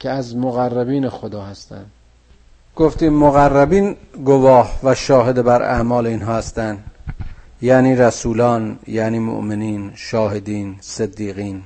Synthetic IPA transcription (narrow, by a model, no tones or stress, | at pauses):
cʰeæzmoɣærːæbiːnexod̪ɒːhæst̪æ̰nd̪̥ | ɡ̥oft̪iːmmoɣærːæbiːnɡovɒːhvæʃɒːɦe̞d̪ebæɾæ̰mɒːleinɦɒːhæst̪ænd̪ | jæːniːɾæsuːlɒːnjæːniːmo̰ʔmeniːnʃɒːɦed̪iːnsed̪ːiːɣiːn